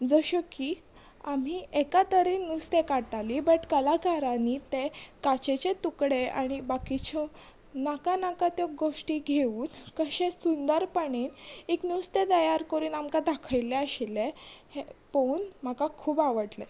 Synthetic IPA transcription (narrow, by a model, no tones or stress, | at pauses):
d͡zəɕɔkiː | am̤iːekat̪əɾiːnːust̪ekaɽʈalibəʈkəlakaɾanit̪ekat͡ɕet͡ɕet̪ukɽea̰ɽ̃ibakit͡ɕɔ | nakanakat̪jɔɡoʂʈiːɡʱeuːnkəɕẽsund̪əɾpəɳiːneknust̪et̪əjaɾkəɾuːnamkad̪akʰəjleəɕilehepouːnm̤akakʰuːbaʋəʈle